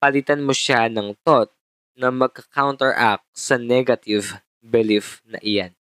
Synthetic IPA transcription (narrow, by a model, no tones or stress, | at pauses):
pɐlit̪ɐnmoʃanɐŋt̪ot̪̚ | nɐmɐɡ̚kɐkawnt̪ɛɹʔak̚sɐnɛɡɐt̪iv | bɛlifnɐ̰ʔɪja̰n